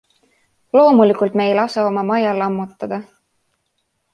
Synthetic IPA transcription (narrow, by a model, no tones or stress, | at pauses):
lo̞ːmulikult̪me̞jlɑsɑomɑmɑjɑlɑmːut̪ːˑɑd̪̥ɑ